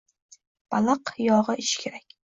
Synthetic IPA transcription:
b̥ɑlˠɨqjɒʁɨʔɪʃkʲʰeɾakʲ

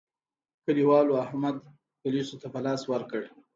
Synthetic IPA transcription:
kəliwɑloahmad̪ | pʊlisot̪apəlɑswəɾkəɽe

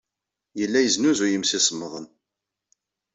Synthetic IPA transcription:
jəlːæjəznuzʊjəmsismːəðˤən

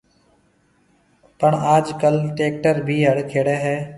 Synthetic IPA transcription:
pəɳaːd͡ʒkəlʈeːk̚ʈəɾbʱiːɦəɽkʰeːɽɛːɦɛː

